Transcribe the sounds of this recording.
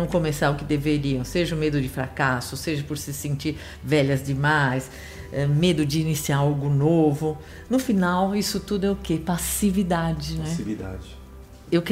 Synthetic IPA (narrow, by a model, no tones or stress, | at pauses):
ɐ̃w̃kõmesaɾʊkɪd̪eveɾiɐ̃w̃seʒɐʊmed̪ʊd͡ʒɪfɾa̰kasʊseʒɐpʊɾsɪsẽnt͡ʃiɾ | vɛʎɐzd͡ʒɪmajs | ɛmed̪ʊd͡ʒɪːnisiaɾawɡʊnovʊ | nʊfinawisʊt̪ud̪ʊɛʊkepasivid̪ad͡ʒɪnɛvid̪a̰d͡ʒɪ | ewk